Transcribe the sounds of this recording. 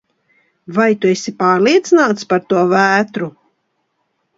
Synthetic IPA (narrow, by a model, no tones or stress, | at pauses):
vajt̪uesʲipaːɾlˠiɛt̪sɨnaːt̪spaɾt̪uɔvæːt̪ɾu